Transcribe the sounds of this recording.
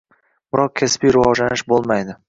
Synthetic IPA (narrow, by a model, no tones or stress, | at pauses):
bɪɾɒq̚kʲʰaspijɾɪwɒd͡ʒlanɪʃbolˠmajd̪ɪ